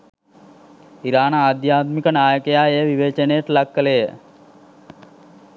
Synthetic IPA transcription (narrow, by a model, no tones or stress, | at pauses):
iɾaːnaːd̪jaːt̪mikənaːjəkejaːejəʋiʋeːt͡ʃənejəʈəlakːəlejə